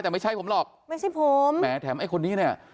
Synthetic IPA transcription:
t̪ɛː˨˩ma˥˩jt͡ɕʰa˥˩pʰo˩˦lɔː˨˩k̚ma˥˩jʰa˥˩jpʰo˨˦mmɛː˩˦t̪ʰɛː˩˦mʔa˥˩jkʰo˧nːiː˦˥˩ni˧˥˩ɐ

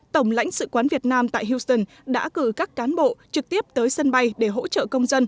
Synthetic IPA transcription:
t̪ə˧˩wŋ͡mla̰˧˥jŋ̟sɨ̰˧˨kwaː˨˦nvi˨˩ət̚naː˧mt̪a̰ː˧˨jɦi˧wst̪ə˧˩n | ɗa̰ː˧˥kɨ˧˩kaː˦˥kːaː˨˦nɓo̰˧˨t͡ɕɨ˨˩k̚t̪i˦˥əp̚t̪əː˨˦jsə˧nɓa˧jɗe˧˩ɦo̰˧˥t͡ɕə̰ː˧˨kə˧wŋ͡mzə˧n

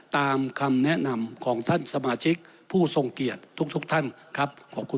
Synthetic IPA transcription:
t̪aː˧mkʰa˧mnɛ˦˥na˧mkʰɔː˩˦ŋt̪ʰa˥˩nsa˧maː˧t͡ɕʰi˦˥k̚ | pʰuː˥˩so˧ŋki˨˩ət̪ʰːu˦˥k̚t̪ʰu˦˥k̚t̪ʰa˥˩n | kʰa˦˥p̚kʰɔː˩p̚kʰu˧

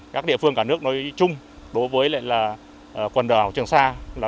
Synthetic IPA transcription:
kaː˦˥k̚ɗḭ˧˨əfɨ˧əŋkaː˧˩nɨ˦˥ək̚nɔ˨˦jt͡ɕʊ˧ŋ͡m | ɗo˨˦jvəː˨˦jla̰ː˧˨jlaː˨˩ | ʔə˨˩kwə˨˩nɗəː˨˧˩a˨˩wt͡ɕɨ˨˩əŋsaː˧laː˨˩

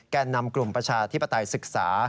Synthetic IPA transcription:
kaː˧nːa˧mklu˨˩mpɾa˧t͡ɕʰaː˧t̪ʰi˦˥pːa˧t̪a˧jsɯ˨˩k̚sa̰ː˩˦

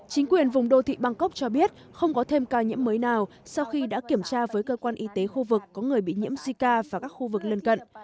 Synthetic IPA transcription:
t͡ɕï˨˦ŋ̟kwi˨˩ənvʊ˨˩ŋ͡mɗo˧t̪ʰḭ˧˨ɓa˧ŋkə˦˥k͡p̚t͡ɕɔ˧ɓi˦˥ət̚ | xə˧wŋ͡mkɔ˨˦t̪ʰe˧mkaː˧wɲḭ˧˥əmːəː˨˦jnaː˨˩w | sa˧wxi˧ɗa̰ː˧˥ki˧˩əmt͡ɕaː˧vəː˨˦jkəː˧kwaː˧nʔi˨˧t̪e˨˦xu˧vɨ˨˩kːɔ˨˦ŋɨ˨˩əjɓḭ˧˨ɲḭ˧˥əmzi˧kaː˧vaː˨˩kaː˦˥k̚xu˧vɨ˨˩k̚lə˧nkə̰˧˨n

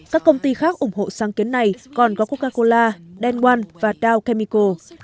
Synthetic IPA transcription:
kaː˦˥kːə˧wŋ͡mt̪i˧xaː˦˥k̚ʔʊ˧˩ŋ͡mho̰˧˨saː˨˦ŋki˨˦nːa˨˩jkɔ˨˩nkɔ˨˦ku˦˥kaː˧ko˧laː˧ɗɛ˧nkwa˧nvaː˨˩taː˧wkɛ˧mi˧ko˧

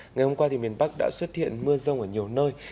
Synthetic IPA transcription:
ŋa˨˩jhə˧ŋ͡mkwaː˧t̪ʰi˨˩mi˨˩ənɓa˦˥k̚ɗa̰ː˧˥swə˦˥t̚hḭ˧˨ənmɨ˧əzə˧wŋ͡mʔəː˧˩ɲi˨˩əwnəː˧j

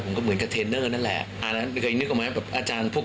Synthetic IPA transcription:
pʰo˩˦mkɔː˥˩mɯ˩˦ənka˧t̪ʰeː˧nɤː˥˩na˥˩nlɛ̰˨˩ | a˧˩na˦˥kʰɤː˧jnɯ˦˥k̚ʔmaː˦˥˩bɛː˨˩ʔaː˧t͡ɕaː˧npʰu˥˩

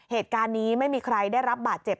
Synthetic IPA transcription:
heː˨˩t̪̚kaː˧nːiː˦˥ma˥˩jmiː˧kʰɾa˧jdaː˥˩jɾa˦˥p̚baː˨˩t̪̚t͡ɕe˨˩p̚

